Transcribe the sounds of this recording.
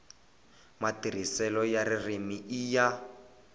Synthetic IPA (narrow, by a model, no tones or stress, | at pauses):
matir̤isɛlɔjaririmiija